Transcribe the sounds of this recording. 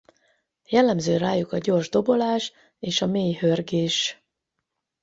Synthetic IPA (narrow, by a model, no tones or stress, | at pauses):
jɛlːɛmzøːɾaːjukɒɟo̞ːrʒd̪o̞bo̞laːʃ | eːʃɒmeːjhørɡeːʃ